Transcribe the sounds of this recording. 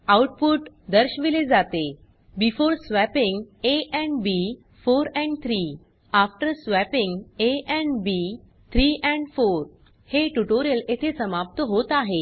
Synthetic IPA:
awʈ̚puʈ | d̪əɾɕʋiled͡zat̪e | bifoɾsʋæpiŋɡeʔɛ̃ɳɖbi | foɾɛ̃ɳɖt̪ʰɾiː | afʈəɾsʋæpĩŋɡeʔɛ̃ɳbi | t̪ʰɾiːʔɛ̃ɳɖfoɾ | heʈuʈoɾijəlet̪ʰesəmap̚t̪əɦot̪aɦe

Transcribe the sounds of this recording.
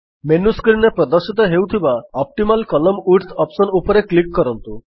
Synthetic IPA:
menuskɾinepɾɔd̪əɾsit̪ɔɦewt̪ʰibaɔp̚ʈimalkɔlɔmuʈt̪ʰɔpsɔnupɔɾeklikːɔɾɔnt̪u

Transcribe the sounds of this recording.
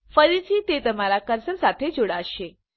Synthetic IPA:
fəɾit͡ɕiːt̪et̪əm̤alakəɾsəɾsat̪ʰed͡ʑoɽaəɕe

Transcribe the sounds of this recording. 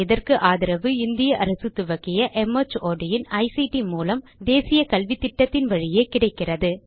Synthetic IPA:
ɪðɐrkɯʔaːðɪɾɐʋɯɪnd̪ɪjɐʔɐɾɐsɯt̪ːʊʋɐkːɪjɐʔɛmɐt͡ʃoːɖɪjɪnɐɪsiʈimuːlɐmd̪eːsɪjɐkɐlʋɪt̪ːɪʈːɐt̪ːɪnʋɐɻɪjeːkɪɽɐɪkːɪrɐðɯ

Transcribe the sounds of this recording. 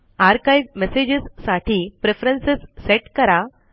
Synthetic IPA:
aɾkajʋmesed͡ʑəsːaʈʰiːpɾefɾənsesːeʈkəɾa

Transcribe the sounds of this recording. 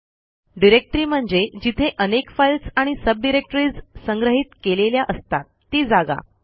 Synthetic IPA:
ɖiɾek̚ʈɾiːm̤əɳd͡zed͡ʑit̪ʰeʔənekfajlsaɽ̃isəb̚ɖiɾek̚ʈɾiːd͡zsəŋɡɾəɦiːt̪keleljaʔəst̪at̪ːiːd͡zaɡa̰

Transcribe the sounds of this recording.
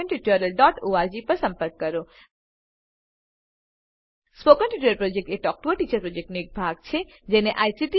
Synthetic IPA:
ənʈiʈəɾəlɖɔːʈoaɾd͡ʒipəɾsə̃mpəɾkːəɾo | spokənʈiʈuɾəɾpɾod͡ʒek̚ʈeʈɔk̚ʈuəʈit͡ʃəɾpɾod͡ʒek̚ʈnoek̚bʱaɡ̚t͡ʃʰe | d͡ʒeneʔaːjsiʈi

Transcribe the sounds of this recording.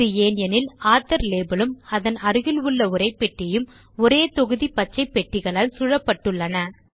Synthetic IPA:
ɯjeːnjɐnɪlaːt̪ːɐɾleːbɯlɯmɐðɐnɐɾɯɣɪlɯɭːɐʊɾɐɪpːɛʈrɪjɯm | ɔɾeːt̪ɔɣɯðipɐt͡ʃːɐɪpːɛʈːɪɣɐɭaːlsʊɻɐpːɐʈːɯɭːɐnɐ

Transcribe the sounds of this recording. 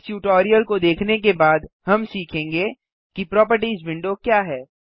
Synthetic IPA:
sjuːʈɔːɾijəlkod̪eːkʰnek̬ebaːd̪hɐmsiːkʰẽːŋɡe | kipɾɔːp̬əɾʈizʋɪ̃ɳɖokjaːɦɛː

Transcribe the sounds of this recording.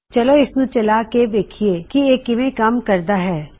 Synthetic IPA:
t͡ʃɐloɪsnũt͡ʃɐlaked̪eːkʰieːkieːkːɪmẽkaːmkɐɾd̪aɦɛː

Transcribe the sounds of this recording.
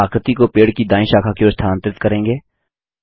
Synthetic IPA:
aːkɾt̪ikopeːɽkid̪ãːɪ̃ʃaːkʰakeost̪ʰaːnt̪ɾɪt̪kəɾẽːŋɡeː

